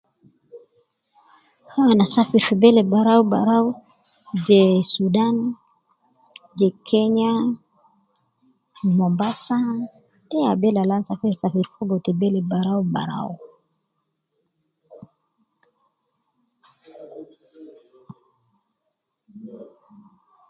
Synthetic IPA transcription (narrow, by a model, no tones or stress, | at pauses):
hawanasafiɾfubɛlɛbaɾaubaɾau | d͡ʒɛsudan | d͡ʒɛkʰɛɲa | mɔmbasa | tɛabɛlalansafiɾsafiɾfuɡɔt̪ɛbɛlɛbaɾauba̰ɾa̰u